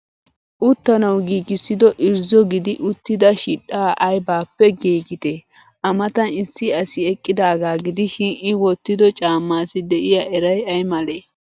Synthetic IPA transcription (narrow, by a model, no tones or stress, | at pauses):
ʔʊt̪ːɐnɐwɡiːɡɪsːɪd̪ɔʔɪɾzɔɡɪd̪ɪʔʊt̪ːɪd̪ɐʃiᶑaːʔɐjbaːpːɛɡiːɡɪt̪e | ʔɐmɐt̪ɐnɪsːɪɐsɪɛkʼːɪd̪aːɡaːɡɪd̪ɪʃɪnɪwɔt̪ːɪd̪ɔt͡ʃʼaːmːaːsɪd̪ɛʔɪjaʔɛɾɐjɐjmɐleː